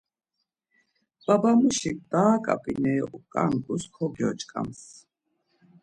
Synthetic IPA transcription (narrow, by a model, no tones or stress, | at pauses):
b̥abamuʃik̚ʼd̪aːkʼa̰pʼinɛːʔukʼankʼuskʰɔɡjɔ̰t͡ʃʼkʼa̰ms